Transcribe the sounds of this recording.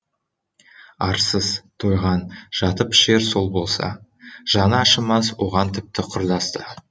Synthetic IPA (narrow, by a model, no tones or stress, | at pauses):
ɑɾsəzt̪ʰo̞jʁɑnʒ̥ɑt̪əpɪ̥ʃe̞ɾso̞lˠbo̞lˠsɑ̰ʒ̥ɑnɑɑʃəmɑswo̞̰ʁɑnt̪ʰɪp̚t̪ɪqʰʊɾd̪ɑst̪ə